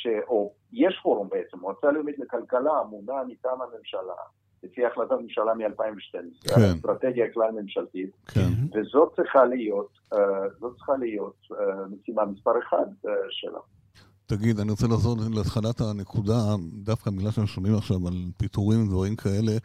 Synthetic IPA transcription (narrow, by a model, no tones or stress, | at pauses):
ʃeʔo | jeʃfoɾumbeet͡semʁot͡saloomid̪lekalkalaːmunamitamhamemʃala̰ | lefiaːχlat̪atmemʃalamialpaimveʃtenskaesnt̪ʁat̪eɡjaklalmemʃalt̪itkʰenvezo̞t̚t͡sʁiχalijo̞t | zot̚t͡si̥χalijo̞t̪̚mesimamispaʁeχa̰d̪ʃḛlʔa̰ | taɡid̪aniʁo̞t͡selaχzo̞leat̪χalathane̞kʰudad̪afkabiɡlalʃeemʃonimaχʃavalpituʁimdvaʁimkʰae̞le̞